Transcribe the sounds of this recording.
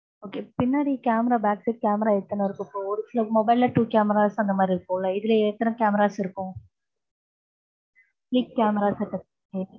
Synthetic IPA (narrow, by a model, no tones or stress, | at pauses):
oːkeːpɪnːaːɽikaːmɐɾaːbaːksɪʈ̚kaːmɾaːɛɽɯt̪ːɐnɐɪɾɯkːɯ̃pːoːɔɾɯsɪlɐmɔbɐɪlːɐʈuːkaːmɛɾaːsɐnd̪ɐmaːd̪ɾiɪɾɯkːõːlɐɪðɪlɐɛɽt̪ːɐɾɐ̃kaːmɐɾaːsɪɾɯkːʊ̃ | ʈlikːaːmɛɾaːsɐʈːɐ | e